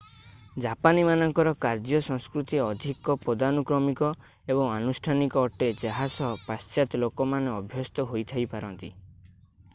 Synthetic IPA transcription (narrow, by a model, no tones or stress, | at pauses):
d͡ʒapanimanɔŋkɔɾɔkaɾd͡ʒɔsɔŋskɾut̪iɔd̪ʱikɔpɾɔd̪anukɾɔmikɔ | ebɔŋanusʈʰanikɔːʈed͡ʒaɦasɔpast͡ʃat̪ɔlokɔmaneɔbʱjɔst̪ɔɦojt̪ʰajpaɾɔnt̪ḭ